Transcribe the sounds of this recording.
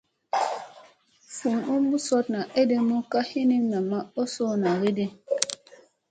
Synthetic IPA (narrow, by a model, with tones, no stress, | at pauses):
fu˨nu˦mbu˦sɔ˦tna˨ʔe˦de˦mu˦ka˦hi˦ni˦na˨ma˦o˦so˦na˨we˦de˨